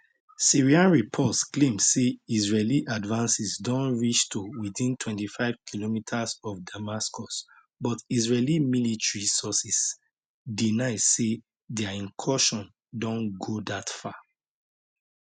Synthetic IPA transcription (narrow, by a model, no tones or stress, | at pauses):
siɹiãnɹipʰɔtsklẽmdseizɹeliʔadvãnsisdɔ̃nɹiʃtuwiθĩntʰwɛ̃ntifaɪv̥kʰilomitʰasɔfdamaskɔs | bɔtizɹelimilitɹisɔsis | dinaɪsse | dɛaĩnkʰɔʃɔ̃n | dɔ̃nɡodatfa